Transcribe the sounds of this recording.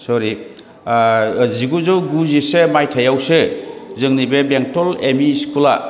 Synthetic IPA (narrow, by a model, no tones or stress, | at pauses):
sɔɾi | ziɡuzɯwɡuzisemajtʰajawsezɯŋnibebeŋtɔlemiskula